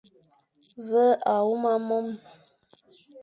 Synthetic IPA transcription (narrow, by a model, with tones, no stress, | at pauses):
və˦ʔa˨wu˦ma˦mɔ˦m